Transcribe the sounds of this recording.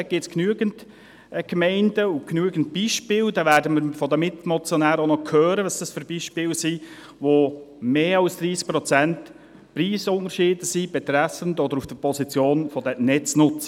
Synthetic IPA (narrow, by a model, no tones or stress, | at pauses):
ɡ̥ɪːtt͡sknyːəɡ̥ənt | ɡ̥mɛɪndəʊknyəɡənt̚b̥iʃpɪːld̥̪ɑvæːɾdəməɾfɔd̪əmɪt̪mɔt͡sjɔnæːɾonɔkʰøːɾəʋɑsd̥əsføɾbiːʃpɪːlsi | ʋomeːɑlsd̥̪ɾiːsk̚pɾɔt͡sænt | pɾiːsʊnəɾʃɪːdəsib̥ɛt̪ɾæsəntɔd̪əɾufd̥əpɔsit͡sjoːnfɔd̪ɛnɛt͡snʊt͡sə